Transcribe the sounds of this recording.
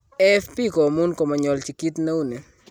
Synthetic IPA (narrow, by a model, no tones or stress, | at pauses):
ɛfpikɔmunkɔmaɲɔlt͡ʃikit̪naune